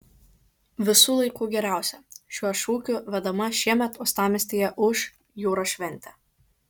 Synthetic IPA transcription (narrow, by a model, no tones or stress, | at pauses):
ʋʲɪsuːlˠɐɪkuːɡʲɛɾʲæˑʊsʲɛʃʲuɔʃuːkʲuʋʲɛd̪ɐmɐʃʲiɛmʲɛt̪ʊst̪ɑːmʲɪsʲt̪ʲeːjɛʔʊʃ | juːɾoːʃʲʋʲɛnʲt̪ʲɛ